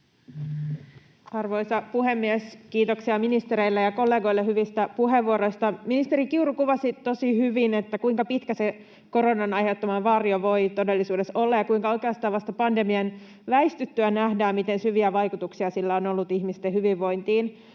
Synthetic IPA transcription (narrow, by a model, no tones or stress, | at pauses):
ɑrʋo̞jsɑpuɦe̞mːieskiːt̪oksiɑminist̪eɾeilːejɑko̞lːeːɡo̞jlːehyʋist̪æpuɦeʋʋuoɾo̞jst̪ɑminist̪eɾikiurukuʋɑsit̪o̞sihyʋinet̪ːækuiŋkɑpit̪kæse | ko̞ɾo̞nɑnɑjhet̪ːomɑʋɑrioʋo̞jt̪o̞de̞lːisuːde̞so̞lːɑjɑkuiŋkɑojkeɑst̪ɑːʋɑst̪ɑpɑnde̞miɑn | ʋæist̪yt̪ːyænæhdæːmmit̪e̞nsyʋiæʋɑjkut̪uksiɑsilːæo̞no̞lːut̪ihmist̪ehyʋiʋːo̞jnt̪iːn